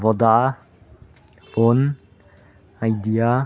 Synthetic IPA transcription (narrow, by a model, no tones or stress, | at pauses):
vɔd̪a | fon | ajd̪ia